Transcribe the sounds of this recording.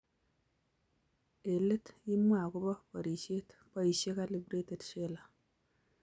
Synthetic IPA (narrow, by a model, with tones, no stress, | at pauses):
e˨lɪ˦ti˦mwa˨ku˦bɔ˦pɔ˨ɾi˨ʃe˦tpɔ˦i˨ʃe˦ka˦li˨bɾe˦te˨tʃe˦la˨